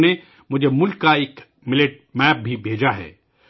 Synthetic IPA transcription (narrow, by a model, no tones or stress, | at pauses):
ne | mʊd͡ʒʱemʊlkːaeːk | mɪleʈ̚mɛːp̚bʱibʱeːd͡ʒaɦɛ̰ː